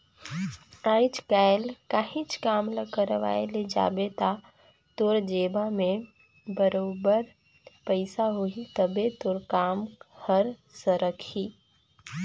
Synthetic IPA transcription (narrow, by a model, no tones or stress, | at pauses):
aːit͡ʃkaːjlkaɦĩt͡ʃkaːmləkəɾʋa̰ːeled͡ʒa̰ːbet̪a | t̪ʊɾd͡ʒeːbamẽ | bəɾoːbəɾ | pəɪsaɦoit̪əbet̪ʊɾkaːmhəɾsəɾəkʰiː